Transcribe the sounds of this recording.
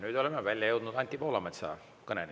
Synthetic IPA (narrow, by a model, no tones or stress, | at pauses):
nyːd̪o̞lemevælʲjɑjɤwd̪nud̪̥ɑnʲt̪ʲːˑipo̞ːlɑmɑt̪sɑ̰ | kɤneni